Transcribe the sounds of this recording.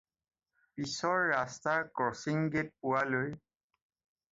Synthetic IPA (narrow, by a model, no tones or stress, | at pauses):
pisɔɹːastaɹkɔsiŋɡet̚pʊwaloj